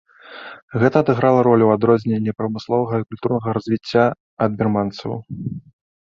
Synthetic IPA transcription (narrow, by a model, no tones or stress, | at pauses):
ɣɛt̪ɐːd̪ɨɣɾalˠɐɾɔlʲuwad̪ɾɔzʲnʲenʲːɛpɾɐmɨslˠɔvɐɣɐikulʲt̪urnɐɣɐɾɐzʲvʲit͡sʲːa | ɐd̪̚bʲɛrmant̪sɐ̰w̰